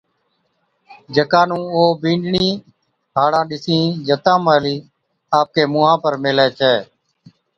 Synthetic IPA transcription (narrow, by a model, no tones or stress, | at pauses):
d͡ʒəkãːnũːoːbĩːɳɖɳiː | ɦaːɽãːɗɪsĩːd͡ʒət̪ãːmaːliː | aːp̚keːmuːɦãːpəɾmeːleːt͡ʃʰeː